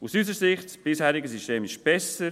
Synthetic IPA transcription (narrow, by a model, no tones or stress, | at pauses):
usysəɾsɪχtsb̥ɪshæːɾiɡəsiʃteːmɪʃb̥ɛsəɾ